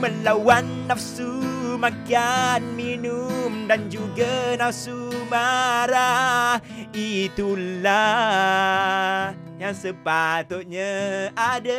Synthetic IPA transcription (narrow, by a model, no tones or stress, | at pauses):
məlawanːafsumakianminumdand͡ʒuɡanafsumaɾa | it̪ula | jaŋsəpat̪ʊt̪̚ɲaada